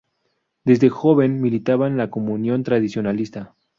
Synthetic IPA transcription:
d̪e̞zðe̞xo̞βe̞nmilit̪aβanlako̞mũnjo̞nt̪ɾaðisjo̞nalist̪a

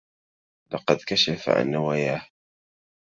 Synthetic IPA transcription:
lɑqɑd̪kaʃafa̰ʕa̰nːawaːjaːh

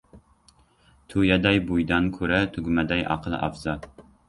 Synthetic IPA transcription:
t̪ʰujɛd̪ɛjbujd̪ɑnkʲʰøɾɛt̪ʰøɡʲymɛd̪ɛjʔɑ̰qʰəl̰ˠʔɑ̰fz̥ɑ

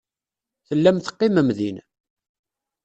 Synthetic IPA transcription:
θəlːæmθə̥qːɪməmðin

